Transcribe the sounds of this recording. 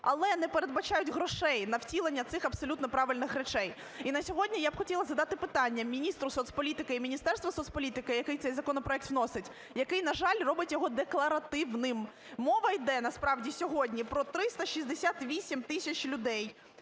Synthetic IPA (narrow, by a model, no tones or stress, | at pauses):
ɐ̰lˠɛnɛpeɾed̪bɐt͡ʃɑjʊtʲɦɾɔʃɛjnɐwtʲilˠenʲːɐt̪sɪxɐbsɔlʲut̪nɔpɾɑʋɪlʲnɪxrɛt͡ʃɛj | inɐsʲɔɦɔdʲnʲijabxɔtʲilˠɐzɐd̪ɑt̪ɪpɪt̪ɑnʲːɐmʲinʲist̪ɾʊsɔt̪sʲpɔlʲit̪ɪkɪimʲinʲist̪ɛrst̪ʋɐsɔt̪sʲpɔlʲit̪ɪkɪjɐkɪjt̪sɛjzɐkɔnɔpɾɔɛk̚t̪wnɔsɪtʲ | jɐkɪjnɐʒɑlʲrɔbɪtʲjɔɦɔd̪eklˠɐɾɐt̪ɪwnɪm | mɔʋɐjd̪ɛnɐspɾɑwdʲisʲɔɦɔdʲnʲipɾɔt̪ɾɪst̪ɐʃʲizʲd̪esʲat̪ʋʲisʲimt̪ɪsʲɐt͡ʃlʲʊd̪ɛj